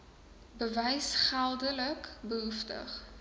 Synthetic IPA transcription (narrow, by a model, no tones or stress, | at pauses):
bəvɛjsχælˠdələkbəɦuftə̰χ